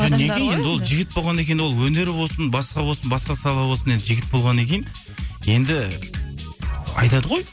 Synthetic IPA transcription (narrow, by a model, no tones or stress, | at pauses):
nekʲeje̞nd̪ɪwo̞lˠʒɪɡʲɪt̪̚bo̞lˠʁɑnekʲej̪wo̞lˠwɵne̞ɾɪbo̞lˠsənbɑsqɑbo̞lˠsənbɑsqɑsɑlˠɑbo̞səne̞nd̪ɪʒɪɡʲɪt̪̚bo̞lˠʁɑnekʲejn | je̞nd̪ɪ | ɑ̰jt̪ɑd̪əʁo̞j